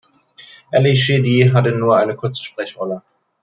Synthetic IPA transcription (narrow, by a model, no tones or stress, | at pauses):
ʔɛliʃɪdiɦatənuːɐʔaɪnəkʰʊɐt͡sʃpʁ̥ɛçʁɔlə